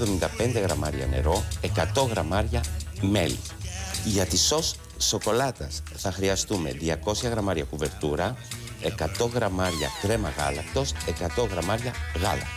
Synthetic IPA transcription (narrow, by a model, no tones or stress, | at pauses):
ðomind̪ɐpe̞nd̪e̞ɣɾɐmɐ̰ɾiɐ̰ne̞̰ɾo̞e̞kɐt̪o̞ɣɾɐmɐɾʝɐme̞li | ʝɐt̪iso̞sː | o̞ko̞lɐt̪ɐsθɐxɾiɐst̪ume̞̰ðiɐko̞sçɐɣɾɐmɐɾiɐkuve̞ɾt̪uɾɐ | e̞kɐt̪o̞ɣɾɐmɐɾɐ̰kɾe̞mɐɣɐ̰lɐkt̪o̞se̞kɐt̪o̞ɣɾɐmɐɾʝɐɣɐlɐ